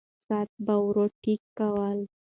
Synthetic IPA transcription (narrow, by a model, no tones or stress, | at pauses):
sat̪̚bawɾoʈikːawəl